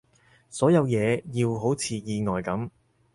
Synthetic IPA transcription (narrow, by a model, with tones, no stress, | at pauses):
sɔː˨˥jɐ˨˧wjɛː˨˧jiː˧wɦo˨˥wt͡sʰiː˨˧jiː˧ŋɔː˨jkɐ˨˥m